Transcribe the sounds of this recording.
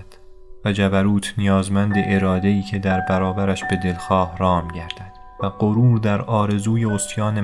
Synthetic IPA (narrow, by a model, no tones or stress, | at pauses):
d̪̥ | væd͡ʒæbæɾuːt̪ʰnijɒːzmænd̪eʔeɾɒːd̪e̞iːcʰe̞d̪æɾbæɾɒːbæɾæʃbe̞d̪e̞lxɒːhrɒːmɟæɾd̪æd̪̥ | væɢoɾuːɾd̪æɾɒːɾe̞zuːje̞ost̪jɒːne